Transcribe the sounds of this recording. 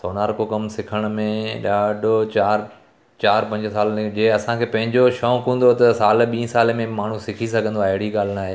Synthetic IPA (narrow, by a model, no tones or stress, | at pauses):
soːnaːɾkokɐmsɪkʰəɽ̃̆mẽɗaːɖʱot͡ɕaːɾ | t͡ɕaːɾpɐ̃ɲd͡ʑsaːld͡ʑeːɐsãkʰeːpɐ̃ɦɪ̃ɲd͡ʑoʃɔ̃ːkũːn̆d̪ot̪ɐsaːlɓĩːə̃saːlmẽmaːɳ̤ũsɪkʰis̬ɐɡʱə̃nd̪oaːɪɦɪɽiɠaːl̤ɪnaːɦeː